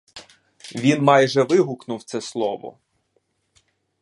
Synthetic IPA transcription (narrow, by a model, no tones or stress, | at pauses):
ʋʲinmɑjʒɛʋɪɦʊknʊwt̪sɛslˠɔʋɔ̰